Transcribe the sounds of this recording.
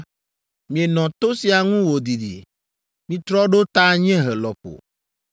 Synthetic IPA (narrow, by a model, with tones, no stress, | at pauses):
mĩ˨e˨nɔ̃˨t̪o˦si˨˦a˨ŋũ˦wo˨d̪i˨dḭ˨ | mĩ˨t̪ɾɔ˦ɖo˦t̪a˦˨ɲ˦ɛ̃˦ɦe˨lɔ˨ɸo̰˨